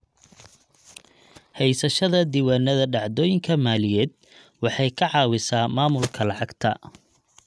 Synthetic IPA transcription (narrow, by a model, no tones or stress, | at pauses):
hɛjsɐʃɐðɐd̪iːwaːnɐðɐɖɑʕd̪ɔːjɪŋkʰɐmaːlɪjɛːd̪̚ | wɑħɑjkʰɐʕɑːwɪsaːmaːmʊlkʰɐlɑʕɑɡt̪ʰɐ̰